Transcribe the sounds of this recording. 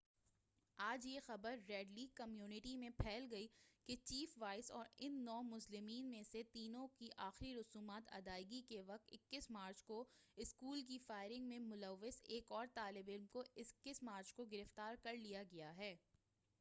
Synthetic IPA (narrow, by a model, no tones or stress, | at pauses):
aːd͡ʒjexɐbəɾːɛːɖliːɡ̚kɐmjuːnɪʈimẽpʰɛːlɡɐiket͡ʃiːfʋaːɪsɔ̰ːɾɪnːɔːmʊslɪmiːnmẽset̪iːnõkiʔaːxɪɾiɾʊsuːmaːt̪ɐ̰d̪aːɪɡikeʋɐk̚t̪ɪkːɪsmaːɾt͡ʃkoɪskuːlk̬ifaːɪɾɪ̃ŋɡmẽmʊləʋːɪseːkɔːɾt̪aːlɪbɪlmkoʔɪskːɪsmaːɾt͡ʃkoɡɪɾɪft̪aːɾkɐɾlijaɡɐjaɦɛː